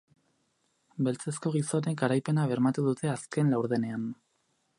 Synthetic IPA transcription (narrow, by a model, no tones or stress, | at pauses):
be̞lt͡se̞sko̞ɣ̞iso̞ne̞kaɾajpe̞naβ̞e̞ɾmat̪uðut̪e̞aske̞nlawɾðe̞ne̞an